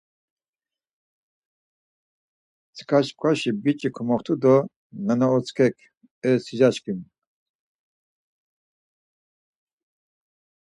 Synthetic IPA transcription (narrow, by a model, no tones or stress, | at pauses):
t͡sʰkʰaʃkʼwaʃibit͡ʃʼikʰɔmɔχt̪ʰud̪ɔ | nɛnɔɔt͡sʰʼkʰɛkʰ | ɛsid͡ʒaʃkʼin